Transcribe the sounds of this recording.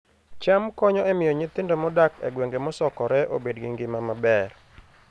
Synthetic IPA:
t͡ʃamkɔɲɔɛmɪjɔɲɪt̪ɪndomɔdakɛ̰ɡweŋɡemɔsɔkɔɾɛʔo̰bedɡɪŋɡɪmamabɛr

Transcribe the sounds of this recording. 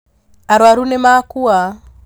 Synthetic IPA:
aɾwaɾunɛmakua

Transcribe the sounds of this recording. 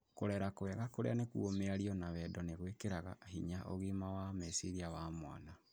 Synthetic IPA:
koɾɛɾakoɛɣakoɾḛanekṵomeaɾiɔnaβɛdɔneɣwekeɾaɣa̰ɦiɲaʔoɣimawamesiɾiawamwa̰na

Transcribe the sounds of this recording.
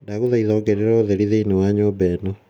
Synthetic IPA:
ndaɣoðaiðɔːɡɛɾeɾoðeɾiðeinewaɲobɛnɔ

